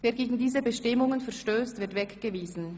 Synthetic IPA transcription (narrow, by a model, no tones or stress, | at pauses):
veːɐɡeːɡŋ̩diːzəbəʃtɪmʊŋənfɛɐʃtøːstvɪɐtv̥ɛkɡ̥əviːzn̩